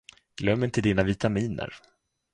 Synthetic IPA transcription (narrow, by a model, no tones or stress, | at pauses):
ɡ̥lœmːɪnt̪ʰɪld̪inavɪt̪amiːnə̰ɾ